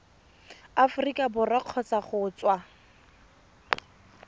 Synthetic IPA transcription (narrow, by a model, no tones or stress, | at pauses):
afʊrikʼabʊraq͡χʰɔt͡saχʊːt͡swa